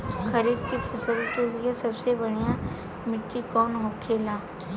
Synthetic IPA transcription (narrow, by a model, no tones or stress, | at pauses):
xʰɐɾiːd̪kipʰɐsəlkeliesɐbsebɐɽ̤ija | mɪʈːikɔːnɦokʰːeːlaː